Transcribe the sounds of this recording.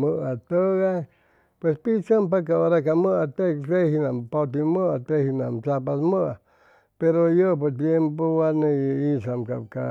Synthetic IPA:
məʔat̪əɣaj | pwespit͡ʃampakaoɾakaməʔat̪et̪ehinampot̪̬iməʔat̪ehinamt͡ʃapasməa | peɾojop̬ot̪̬jempoaneisamka̰ka̰

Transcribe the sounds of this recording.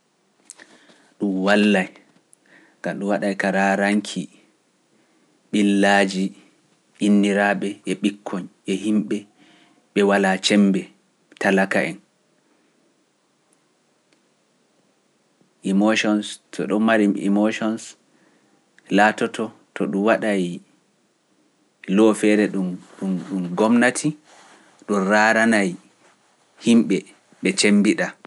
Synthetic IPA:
ɗumwalːaj | ɡ̥amɗumwaɗajkaɾaɾaŋkʰi | ɓilːaːd͡ʒi | ʔinːiɾaɓɛʔɛɓikʰːɔɲʔɛhimɓɛ | ɓɛwalat͡ʃɛmbɛ | talakaʔɛn | ʔimoʃɔnstʰɔɗɔmmaɾimḭmoʃɔns | laːtɔtɔtɔɗumwaɗaj | lɔfɛɾɛɗumɗumɗumɡɔmnatʰi | ɗɔnɾaɾanaj | himɓɛ | ɓɛt͡ʃembiɗa

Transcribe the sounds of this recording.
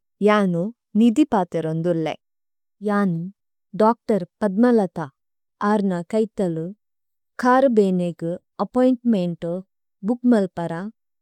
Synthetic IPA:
jaːnu | nid̪ipaːt̪eɾond̪ulːḛ | jaːni | ɖaːk̚ʈɐɾpɐd̪̚mɐlɐt̪a | aːɾnɐkɐjt̪ɐlu | kʰaːɾbeːneɡu | ɐpojɳʈmeɳʈu | bukmɐlpɐɾa

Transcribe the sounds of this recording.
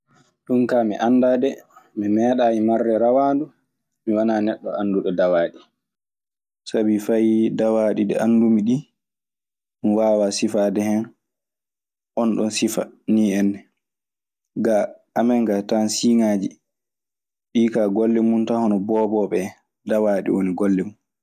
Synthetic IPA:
ɗunkamiʔandadɛmimɛːɗajimarːɛɾawaːndu | miwanaːnɛɗːɔ̰anduɗɔdawaːɗi | sabifajdawaɗidɛ̰ʔandumiɗi | mwaːwasifaːdɛhɛn | ʔɔnɗɔnsifa̰niɛnːɛ | ɡaamɛŋɡatansiŋaːd͡ʒi | ɗiːkaɡolːɛmuntahɔnɔbɔːbɔɓɛ | dawaːɗḭwoniɡolːɛmun

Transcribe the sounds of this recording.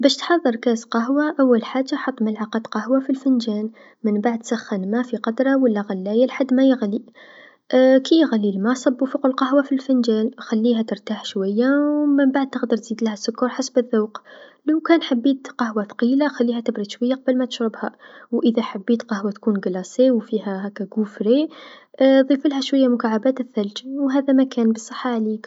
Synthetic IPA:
bæːʃt̪ħɑðˤːɨɾˤkæːzqɑɦwaʔawːalħaːd͡ʒːaħɑt̪ˤːmalʕaqɑd̪qɑhwafilfɪnd͡ʒæːn | mənbaʕd̪̚t̪saxːənmafiqɑd̪ɾˤɑwalːaɣalːæːjalħad̪ːmajəɣli | kʰijɣalːilmasˤɑbːufuqəlqɑɦwafilfɪnd͡ʒæːnxalːiːhæt̪əɾt̪aːħʃwajːawməmbaʕd̪̚t̪əɣd̪ɑɾˤt̪z̥iːd̪lhæsːʊkːɑɾˤħasbəðːawqlawkæːnħabːiːt̪qɑhwaθɑ̥qiːlaxælːiːhæt̪ɪbɾɑd̪ʃwajːaqɑbəlmæt̪əʃɾɪbhawʔəðæħabːiːt̪qɑhwat̪kuːnɡɑlɑsˤewfiɦæhækːæɡufɾe | ðˤiːfəlhæʃwajːamʊkaʕabæːt̪ɪθːæld͡ʒwɦæːðæmækæːnbəsˤːɑħːaʕliːk

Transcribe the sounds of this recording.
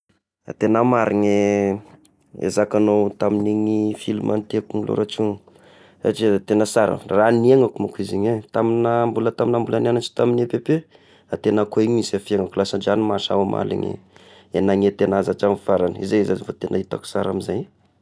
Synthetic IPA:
a̰t̪enamaɾiŋe | ḛzakanowt̪aminiŋifilumʔant̪eakuŋilo̰ɾaʈ͡ʂuŋ | a̰ʈ͡ʂit̪enəsaɾa̰ranieŋakumakiziɲet̪aminambulət̪aminambulananaʈ͡ʂi̥t̪aminepepe | at̪enakoiɲisafieŋakulasanɖ͡ʐanimaʃa̰wama̰lḭŋḭ | enaɲet̪enazaʈ͡ʂamifaɾanəizezazivot̪enait̪aku̥saɾamizaj

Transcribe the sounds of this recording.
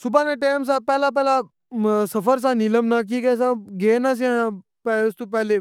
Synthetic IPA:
subʱaneʈeːms̬apɛːlap̬ɛːla | səfəɾs̬aniləmnak̬iːkɛsãɡeːnas̬ã | pɛlst̪up̬ɛːle

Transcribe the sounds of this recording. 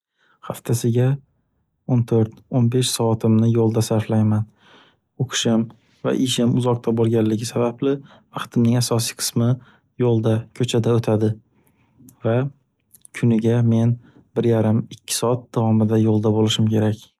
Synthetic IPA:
haft̪ʰasɪɡʲa | ont̪ʰoɾt̪onbe̞ʃsɒːt̪ʰɪmnɪjolˠd̪asaɾflajman | oqʰɨ̥ʃɪm | va̰ʔɪʃɪmʊzɒq̚t̪ʰabɒlˠɡʲanlːɪɡʲɪsabablɪ | vɑqt̪ʰɪmnɪŋasɒsijqʰɨ̥smɪ | jolˠd̪akʲʰɵt͡ʃʰad̪aot̪ʰad̪ɪ | va | kʰʊnɪɡʲame̞n | bɪɾjaɾɪmɪkʲʰːɪ̥sɒat̪̚d̪̥avɒmɪd̪ajolˠd̪abolɪʃɪmkʲʰe̞ɾakʲ

